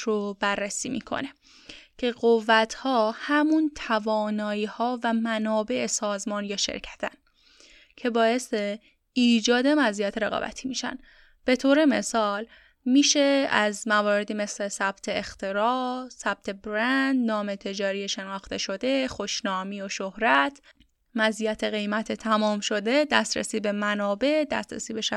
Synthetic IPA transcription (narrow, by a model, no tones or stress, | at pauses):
ɾobæɾːesiːmḭːkʰo̰ne̞ | cʰe̞ɢovːæt̪ʰhɒːhæmunt̪ʰævɒːnɒːiːhɒːvæmænɒːbe̞ʔesɒːzmɒːnjɒːʃḛɾcʰæ̥t̪ʰæn | cʰe̞bɒːje̞st̪e | iːd͡ʒɒːd̪emæzijæt̪ʰeɾe̞ɣɒ̰bæ̰t̪ʰiːmiːʃæ̰n | b̥e̞t̪ʰoːɾe̞me̞sɒːl | miːʃe̞æzmævɒːɾe̞d̪iːmesle̞sæb̥t̪ʰeext̪ʰe̞ɾɒːsæb̥̚t̪ʰe̞bɾænd̪nɒːme̞t̪ʰe̞d͡ʒɒːɾijeʃe̞nɒːxt̪e̞ʃo̞d̪e̞xoʃnɒːmiːoʃohɾæt̪ʰ | mæzijæt̪ʰeɣe̞jmæt̪ʰet̪ʰæmɒːmʃo̞d̪e̞d̪æst̪ɾḛsiːbe̞mænɒːbe̞ʔd̪æ̰st̪ɾæ̰siːbeʃæ